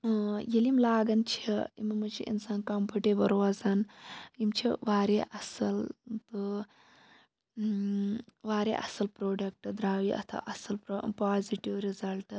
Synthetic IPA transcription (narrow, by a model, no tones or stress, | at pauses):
jelimlaːɡɐnt͡ʃʰɐḭmɐmɐt͡ʃʰḭʔḭnsaːnkampʰuʈebɐɾʋazɐnimt͡ʃʰiʋaːɾeʔɐsɐlt̪ɨ | ʋaːɾḛʔɐsɐlpɾoːɖɐk̚ʈɨd̪ɾaːʋiʔɐ̰t̪ʰa̰ʔɐsɐlpɾopaːziʈiʋɾizɐlʈ